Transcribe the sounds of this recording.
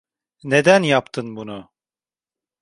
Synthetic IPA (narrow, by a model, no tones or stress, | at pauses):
ne̞d̪ænjapt̪ʰɯnbunu